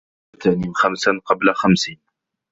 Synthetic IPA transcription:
θaːninxamsanqɑblaxamsiːn

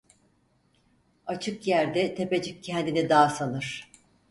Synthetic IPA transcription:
at͡ʃʰɯkjæɾd̪ɛt̪ʰe̞pe̞d͡ʒic̚cʰɛnd̪inid̪aːsanɯɾ̥

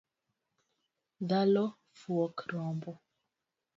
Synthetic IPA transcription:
ðalɔ | fuɔkɾɔmbɔ

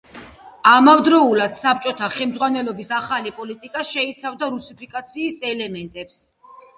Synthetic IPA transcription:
amavd̪ɾɔulad̪̥sap̚t͡ʃʼɔt̪ʰaχɛlmd̪zʁwanɛlɔbisaχalipʼɔlit̪ʼikʼaʃɛit̪sʰavd̪aɾusipʰikʼat̪sʰiːsɛlɛmɛnt̪ʼɛps

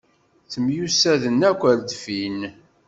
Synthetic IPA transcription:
θəmjusæðənækʷːəɾd̪fin

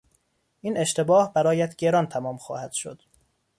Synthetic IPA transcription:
ʔiːne̞ʃt̪ʰe̞bɒːhbæɾɒːjæt̪ɟe̞ɾɒnt̪ʰæmɒːmxɒ̰ːhæd̪̥ʃo̞̰d̪̥

